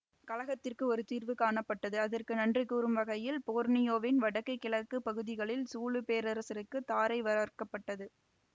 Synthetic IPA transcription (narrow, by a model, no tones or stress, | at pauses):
kɐlɐɣɐt̪ːɪrkɯɔɾɯt̪iːrʋɯkaːɳɐpːɐʈːɐðɯɐðɐrkɯnɐndrɯkːuɾɯmʋɐɣɐjɪlpoːɾnɪjoːʋɪnʋɐɽɐkːɐɪkːɪlɐkːɯpɐɣɯðɪɣɐɭɪlsuːɭɯpeːɾɐɾɐsɐɾɯkːɯt̪ːaːɾɐɪʋɐɾarkɐpːɐʈːɐðɯ